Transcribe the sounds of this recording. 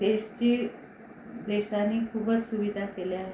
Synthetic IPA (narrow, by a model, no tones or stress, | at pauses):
d̪eɕt͡ɕiː | d̪eɕaniːkʰuːbət͡ssuʋid̪ʱakeljaɦe